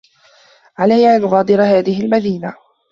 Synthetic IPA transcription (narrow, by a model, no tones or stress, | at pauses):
ʕalajːaʔnɣɑːd̪ɨɾhaːðɪhɪlmaðiːna